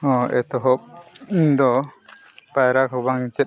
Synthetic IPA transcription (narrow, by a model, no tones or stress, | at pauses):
ɔ̃ʔɛt̪ɔɦɔp̚d̪ɔ | pajɾakʰɔbaŋit͡ʃɛt̪̚